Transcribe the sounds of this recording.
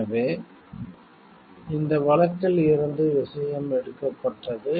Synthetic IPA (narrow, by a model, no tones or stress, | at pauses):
ɐʋeː | ɪnd̪ɐʋɐɭɐkːɪlɪɾɯnd̪ɯʋɪsɐjɐmɛɽɯkːɐpːɐʈːɐðɯ